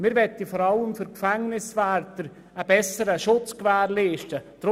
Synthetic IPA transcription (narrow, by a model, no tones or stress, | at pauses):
mɪɾvɛt̪ifɔɾɑləmfʏɾkfɛŋnɪsvɛːɾtəɾ | əbɛsəɾəʃʊt͡skvɛːrliːʃtəd̥ɾ